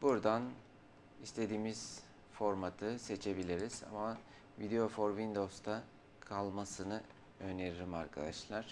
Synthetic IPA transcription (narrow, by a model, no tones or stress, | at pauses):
buɾd̪an | ist̪ʰe̞d̪iːmiz̥ | fo̞ɾmat̪ʰɯse̞t͡ʃʰe̞bilʲiɾiz̥a̰ma | vid̪eo̞foɾvind̪o̞st̪ʰa | kʰalˠmasɯnɯ | øneɾilʲimaɾkʰad̪aʃlˠaɾ̥